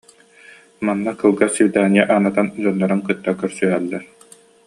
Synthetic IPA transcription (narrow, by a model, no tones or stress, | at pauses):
manːakɯlˠɡasiwd̪aːnijaʔaːnat̪and͡ʑɔnːɔɾɯnkɯt̪ːakœɾsyɦɛlːɛɾ